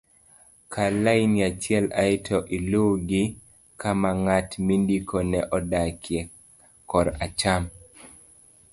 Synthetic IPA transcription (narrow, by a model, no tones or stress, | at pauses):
kʰalainiat͡ʃjɛlaɪtʰɔʔiloɡɪ | kamaŋatmindikonɛʔɔdakʰjɛ | kɔɾat͡ʃam